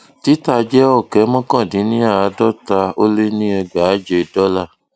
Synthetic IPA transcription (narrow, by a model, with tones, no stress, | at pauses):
ti˨˦ta˦˧d͡ʒɛ˦ɔ˦˨kɛ˨˦mɔ̃˦kã˦˨dĩ˨˦nĩ˦a˦˨a˨˧˦dɔ˦ta˧o˦le˦nĩ˦ɛ˧ɡ͡ba˨˦d͡ʒe˧˨dɔ˦la˦˨